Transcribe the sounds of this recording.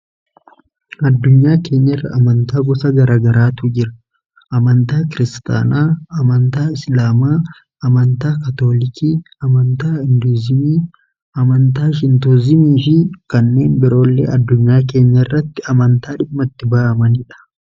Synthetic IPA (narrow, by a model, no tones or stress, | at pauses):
ɐd̪ːʊɲːaːke̞ːɲːɐrːɐ̰ɐmɐnt̪aːɡɔsɐɡɐɾaːɡɐɾaːt̪uːd͡ʒɪɾɐ̥ | ɐmɐnt̪aːkɪɾɪst̪a̰ːnaːɐmɐnt̪aːɪslaːmaː | ɐmɐnt̪aːkɐt̪o̞ːlɪkiː | ɐmɐnt̪aːɪnd̪uzɪmiː | ɐmɐnt̪̬aːʃ̬ɪnt̪̬oːzɪmiːfɪkɐnːe̞ːnbɪɾo̞ːlːḛːʔɐd̪ːʊɲːaːk̬e̞ːɲːɐrːɐt̪ːɪɐmɐnt̪aːᶑɪbːɐt̪ːɪbaːʔɐmɐnɪᶑɐ̥